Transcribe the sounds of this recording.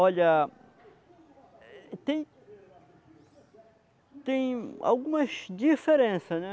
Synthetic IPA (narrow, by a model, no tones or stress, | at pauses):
ɔʎɐ | t̪ẽj̃ | t̪ẽj̃a̰wɡũmɐzd͡ʒifeɾẽsɐnɛ